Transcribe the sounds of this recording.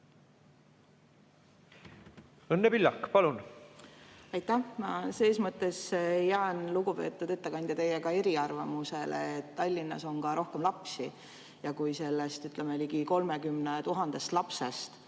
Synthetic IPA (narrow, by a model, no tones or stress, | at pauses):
ɤnːepilʲːɑkːpɑlun | ɑjt̪ˑːæhmɑse̞ːsmɤt̪ːˑe̞sjæenluɡupe̞ːt̪ːˑud̪et̪ːe̞kɑnʲd̪̥ʲjɑt̪e̞jekɑe̞ɾiɑrvɑmuse̞lḛet̪ːɑlʲːinːɑ̰so̞ŋkɑɾo̞hke̞mlɑpsi | jɑkujse̞lːe̞st̪yt̪ˑlemeliɡiko̞lme̞kymnet̪uɦɑnd̪̥e̞st̪lɑpse̞st̪